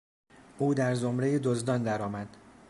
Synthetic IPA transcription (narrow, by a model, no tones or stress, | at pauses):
ʔuːd̪æɾzomɾejed̪ozd̪ɒnd̪æɾɒːmæd̪̥